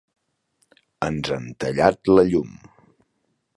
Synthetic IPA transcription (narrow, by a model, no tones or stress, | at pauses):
ənzənt̪əʎat̪ləʎum